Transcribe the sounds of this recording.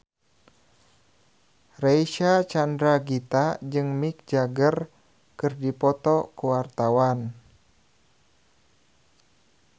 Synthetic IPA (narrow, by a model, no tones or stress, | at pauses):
rejʃat͡ʃandɾaɡit̪ad͡ʒɨŋmik̚d͡ʒaɡər | kɨrdipɔt̪ɔkuwart̪awan